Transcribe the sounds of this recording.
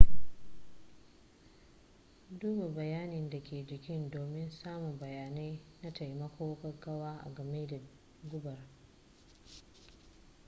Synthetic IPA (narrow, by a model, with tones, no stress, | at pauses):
duː˦ba˨bɐ˨jaː˦nɪ˨nda˨kʲʰeː˨d͡ʒɪ˨kʲɪ˦ndoː˨mɪ˦nsaː˦mu˨bɐ˨jaː˨na˦jna˦ta˨jmɐ˦kʷoː˦kɐ˦ɡɐ˦waː˦ʔa̰˨ɡɐ˨meː˦da˨ | ɡʊ˦bɐ˨r